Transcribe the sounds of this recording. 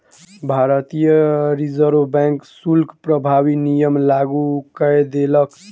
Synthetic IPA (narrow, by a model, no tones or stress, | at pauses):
bʱaɾət̪ijəɾizəɾʋbɛ̃ŋksulkpɾəbʱabinijəmlaɡukəjd̪elʌk